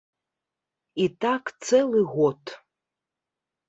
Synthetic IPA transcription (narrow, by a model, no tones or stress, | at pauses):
it̪ak̪st͡s̪ɛlˠɨɣoɔd̪